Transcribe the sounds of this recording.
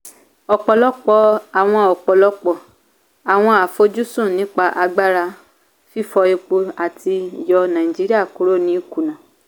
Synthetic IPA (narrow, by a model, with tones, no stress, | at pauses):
ɔ˨k͡pɔ˨lɔ˦k͡pɔ˧a˨w̃ɔ̃˧ɔ˨k͡pɔ˨lɔ˦k͡pɔ˨ | a˨w̃ɔ̃˧a˨fo˧˦d͡ʒu˦sũ˦˨nĩ˨˦k͡pa˧ʔa˧ɡ͡ba˦ɾa˧ | fi˦fɔ˧e˧k͡po˧a˨ti˧jɔ˧nã˨i˨d͡ʒi˨˦ɾi˦a˦˨ku˦ɾo˦˨nĩ˦ku˨nã˨